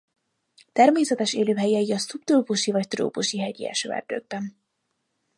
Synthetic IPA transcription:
t̪ɛrmeːsɛt̪ɛʃeːløːɦɛjiɛjiɒsupt̪roːpuʃivɒct̪ro̰ːpuʃiɦɛɟḭɛ̰ʃø̰ːɛ̰rd̪̥ø̰ːɡ̚bɛn

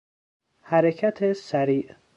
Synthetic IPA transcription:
hæɾecʰæt̪ʰesæɾiːʔ

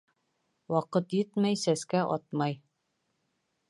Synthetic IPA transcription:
wɑqɤt̪jɘt̪mæjsæskæʔɒ̰t̪̚mɑj

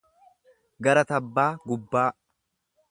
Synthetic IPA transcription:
ɡɐɾɐt̪ɐbːaːɡʊbːaː

